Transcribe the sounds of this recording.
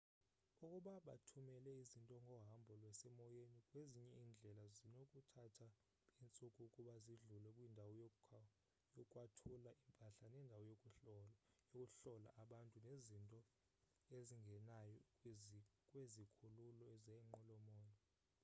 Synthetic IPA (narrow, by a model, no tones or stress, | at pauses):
ukʼuɓaɓa̰tʰumɛlɛizintʼɔŋʱɔɦambʱɔlwɛsɛmɔjenikʼweziɲɛind͡ɮʱɛlazinokʼutʰatʰa | int͡sʼukʼukʼuɓaziɮulɛkʼwindʱawɔjokʼʰ | jɔkʼwatʰulaʔimpʼaɬanɛndʱawɔjokʼu | jokʼuɬɔla̰ʔaɓantʼunezintʼɔ | eziŋʱɛnajɔ | kʼwezikʰululɔɛzɛŋ͡ǃɔlɔmɔːjɔ